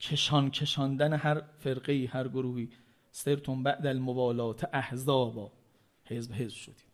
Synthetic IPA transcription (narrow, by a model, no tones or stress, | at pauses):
cʰeʃɒnkʰe̞ʃɒnd̪ænehæɾfeɾɢejiːhæɾɡoɾuːhiː | seɾt̪ʰombæʔd̪ælmovɒːlɒːt̪ʰeʔæhzɒːbɒː | he̞zbɦe̞zb̥ʃo̰d̪i̥ː